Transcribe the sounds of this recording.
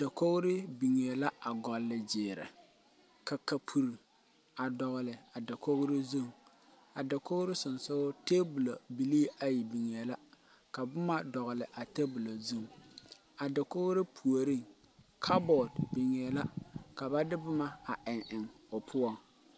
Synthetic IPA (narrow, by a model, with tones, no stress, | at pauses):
da˨ko˦ɣʊ˦ɾɪ˦bi˨ŋe˨la˦a˨ɡɔ˨lːɪ˨d͡ʒɪː˨ɾɛ̰˨ | ka˨ka˨pʰu˨ɾi˨ | a˨dɔ˨ɣʊ˨lɪ˨a˨da˨ko˦ɣʊ˦ɾɪ˦zu˦ŋ | a˨da˨ko˦ɣʊ˦ɾɪ˦sʊ˨nsʊ˦ʊ˦teː˦bu˨lo˨bi˨liː˦a˦ji˨bi˨ŋ˨e˨la˦ | ka˨bʊ˦ma˦dɔ˨ɣʊ˨lɪ˨ʔa˨te˦bu˨lo˨zu˦ŋ | a˨da˨ko˦ɣʊ˦ɾɪ˦pʰu˨o˨ɾi˦ŋ | kʰa˦bɔ˨dbi˨ŋɛ˨la˦ka˨ba˦dɪ˦bʊ˦ma˦a˨ʔɪ˨ŋʔɪ˨ŋ | ʊ˨pʰʊ˦ɔ˦ŋ